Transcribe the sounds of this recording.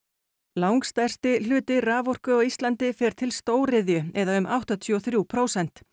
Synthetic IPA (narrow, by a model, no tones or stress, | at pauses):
lawŋkst̪ajr̥t̪ɪlʏːt̪ɪraːvɔr̥kʏɔɣist̪lant̪ɪfɛːɾ̥t̪ʰɪlst̪oːwɾɪðjʏɛðaʏmʔawht̪at̪ʰʏɔθɾjuːpʰɾowsɛn̥t̪